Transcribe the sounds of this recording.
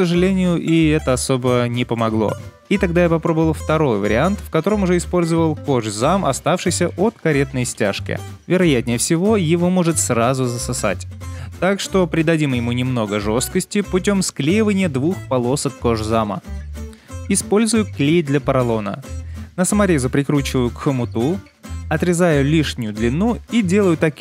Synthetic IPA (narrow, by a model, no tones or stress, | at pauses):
ksəʐɨlʲenʲɪjʊʔɪɛt̪əɐso̞bənʲɪpəmɐɡlˠo̞̰ | it̪ɐɡd̪ajapɐpɾo̞bəvəlˠft̪ɐɾo̞jvə̰ɾʲɪ̰ant̪fkɐt̪o̞ɾəmʊʐɛɪspo̞lʲzəvəlˠko̞ʐzamʔɐst̪afʂɨjsʲəʔot̪kɐɾʲe̞t̪nəjsʲtʲa̰ʂkʲɪ̰ | vʲɪɾɐjat̪ʲnʲɪjəfsʲɪvo̞jɪvo̞mo̞ʐɨt̪srazʊzəsɐsa̰tʲt̪akʂt̪o̞pɾʲɪd̪ɐdʲimjɪmunʲɪmno̞ɡəʐo̞st̪̚kəsʲtʲɪpʊt̬ʲo̞msklʲejɪvənʲɪjəd̪vuxpɐlˠo̞səkkːoʐzamə̰ | ɪspo̞lʲzʊjʊklʲejd̪lʲɐəpəɾɐlˠo̞nə̰nəsəmɐɾʲe̞zʊpɾʲɪkɾut͡ɕɪvəjʊkxəmʊt̪u | ɐt̪ɾʲɪzajʊlʲiʂnʲɪjʊd̪lʲɪnuidʲe̞lˠəjʊt̪ɐkʲ